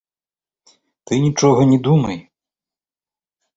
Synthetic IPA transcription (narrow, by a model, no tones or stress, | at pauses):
t̪ɨnʲit͡ʂɔɣɐnʲɛd̪umɐj